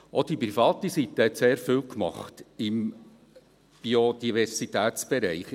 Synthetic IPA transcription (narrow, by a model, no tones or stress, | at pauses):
od̥ipɾifɑːt̪isit̪ːəhɛt̪seːɾfiːwkmɑ̰χt̪ɪm | b̥iod̪̥ivɛɾsit̪æːt̪t͡sb̥ɛɾɛɪχ